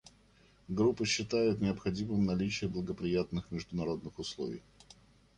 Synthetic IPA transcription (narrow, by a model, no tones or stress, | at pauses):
ɡɾupːəɕːɪt̪ajʊt̪nʲɪəpxɐdʲimɨmnɐlʲit͡ɕɪjəblˠəɡəpɾʲɪjat̪nɨxmʲɪʐd̪ʊnɐɾo̞d̪nɨxʊslˠo̞̰vʲɪ̰j